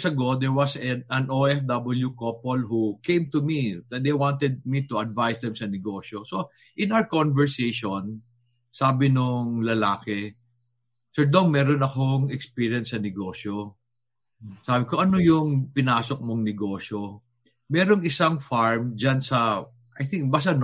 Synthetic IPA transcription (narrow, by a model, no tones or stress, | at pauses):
sɐɡod̪ɛɹwɐsɛɐnoʔɛfd̪ɐbɐljukopolhukẽjmt̪ʊmiɐd̪ejwãnt̪ɛd̪̚mit̪ʊɐd̪vajsd̪ɛmsɐnɪɡoːʃoso | ʔɪ̃nawkonvɛɹsejʃon | saːbɪnʊŋlɐlaːkɛ | sɛɹd̪oŋmɛːɾonɐkoŋɛkspiɹjɐnsɐnɪɡo̞ːʃo | saːbɪkoʔɐnojʊŋpɪnaːsok̚moŋnɛɡo̞ːʃo | mɛːɾoŋɪsaŋfaɹmd͡ʒansɐ | ʔajθɪŋk̚bas̬ɐn